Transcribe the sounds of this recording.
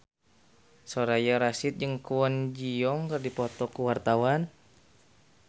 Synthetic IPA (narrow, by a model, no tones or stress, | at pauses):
sɔɾajaɾasit̪̚d͡ʒɨŋkuwɔnd͡ʒiɔŋkɨrdipɔt̪ɔkuwart̪awan